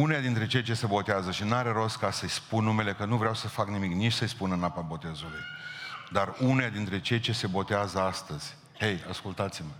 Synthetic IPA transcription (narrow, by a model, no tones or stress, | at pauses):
unejad̪int̪ɾe̞t͡ʃe̞jt͡ʃe̞se̞bo̞t̪eazəʃinaɾe̞ɾo̞s̚kasəjspunːume̞le̞kənuvɾeawsəfaknimiknit͡ʃʲsəjspunənapabo̞t̪e̞zulujd̪arunead̪int̪ɾe̞t͡ʃe̞jt͡ʃe̞se̞bo̞t̪eazəast̪əz̥ʲ | he̞jaskult̪at̪simə